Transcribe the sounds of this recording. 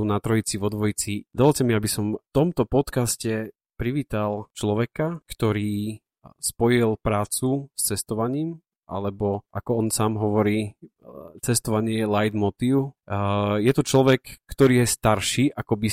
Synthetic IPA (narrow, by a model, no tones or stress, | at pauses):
unat̪ɾɔit͡sivɔd̪ʋɔjit͡sid̪ɔʋɔlcɛmiabisɔmft̪ɔmt̪ɔpɔt̪kascɛ | pɾiʋiːt̪alt͡ʃlɔʋɛkakt̪ɔɾiː | spɔjilpɾaːt͡sust͡sɛst̪ɔʋaɲiːm | ʔa̰lɛbɔʔakɔɔnsaːmɦɔʋɔɾiː | t͡sɛst̪ɔʋaɲɪɛjɛlajd̪mɔt̪iːʊ | jɛt̪ɔt͡ʃlɔʋɛkːt̪ɔɾiːjɛst̪aɾʃiːʔakɔbi